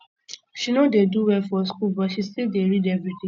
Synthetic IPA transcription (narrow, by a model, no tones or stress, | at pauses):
ʃinodeduwɛfɔs̬kulbɔʃisedeɾidɛvɹitĩ